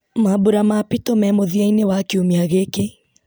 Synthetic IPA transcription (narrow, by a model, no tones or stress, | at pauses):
mabuɾamapitomɛmoðiainewakeomeaɣeke